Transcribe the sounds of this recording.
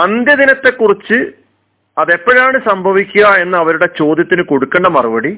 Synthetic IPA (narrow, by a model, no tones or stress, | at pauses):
ɐnd̪jɐd̪inɐt̪ːe̞kːurit͡ɕːɨ | ɐðe̞pːɐɻaːɳɨsɐmbʱɐʋikʲːuɣɐe̞nːɐːʋɐɾuɽe̞t͡ɕo̞ːd̪jɐt̪ːinɨko̞ɽukːeɳɖɐmɐrɐʋɐɽi